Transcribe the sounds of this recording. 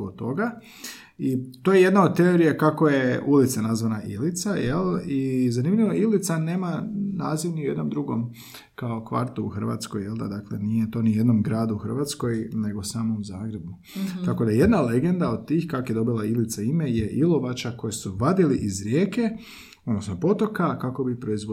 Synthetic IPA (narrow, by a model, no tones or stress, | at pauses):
ot̪o̞ɡa | it̪ojeje̞d̪naot̪e̞o̞ɾijekakoje̞ulit̪sanazʋanaʔilit̪sajelˠizanimʎʲiʋo̞ilit̪saneːmanaːziʋniuje̞d̪no̞md̪ɾuɡo̰m | kao̞kʋa̰ɾt̪uuxr̩ʋa̰ːt̪skojelˠd̪a̰d̪aklḛnijet̪o̞ːnije̞d̪no̞mɡɾaːd̪uuxr̩ʋat̪sko̞jne̞ɡo̞saːmo̞mzaːɡɾe̞bu | t̪ako̞d̪aje̞d̪nale̞ɡe̞nd̪aod̪̚t̪iːxkakoje̞d̪o̞bilˠailit̪saimejeʔilˠo̞ʋat͡ʃako̞jesuʋad̪iliʔizɾjeːke̞ | od̪nosnopo̞t̪o̞kakako̞bipɾo̞izʋ